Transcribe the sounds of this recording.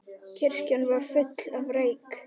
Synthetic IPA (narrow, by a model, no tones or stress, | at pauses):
cʰɪr̥canvaɾ̥fʏt̪lavreːjk